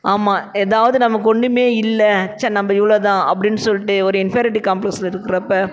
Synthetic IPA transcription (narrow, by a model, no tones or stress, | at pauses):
aːmaːɛðaːʋɐðɯnɐmːɐkɔɳɖɯmeːɪlːɛt͡ʃːɐnɐmbɐɪʋɐɭoːt̪ãːʔɐpːɐɽɪnːɯsɔlːɪʈːɯɔɾɯɪnfjɾɪʈ̬ikɐːmplɛkslɪɾɯkːɪɾɐpːɐː